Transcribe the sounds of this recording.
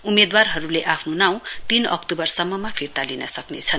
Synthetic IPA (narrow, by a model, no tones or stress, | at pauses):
umed̪warɦʌɾuleʔapʰnonaw̃t̪inʌ̰kt̪ubʌrsʌmːʌmapʰirt̪alinʌsʌknḛt͡sʰʌn